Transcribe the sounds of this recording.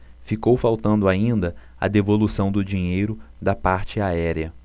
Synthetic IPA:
fikowfawt̪ɐ̃nd̪ʊaĩnd̪ɐ | ɐ̰d̪evolusɐ̃w̃d̪ʊd͡ʒĩɲejɾʊd̪ɐpaɾt͡ʃɪaɛɾiɐ

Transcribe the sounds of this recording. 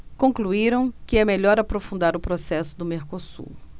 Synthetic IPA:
kõkluiɾɐ̃w̃kɪɛmeʎɔɾapɾofũnd̪aɾʊpɾosɛsʊd̪ʊmeɾkosṵɾ

